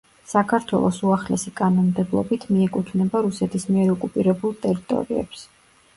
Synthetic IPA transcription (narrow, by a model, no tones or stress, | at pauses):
sakʰaɾt̪ʰwɛ̰lˠɔsuaχlɛsikʼanɔnmd̪ɛblˠɔ̰bit̪ʰmiɛkʼut̪ʰvnɛbaɾusɛt̪ʰismiɛɾɔkʼupʼiɾɛbulˠt̪ʼɛɾit̪ʼɔ̰ɾiɛ̰ps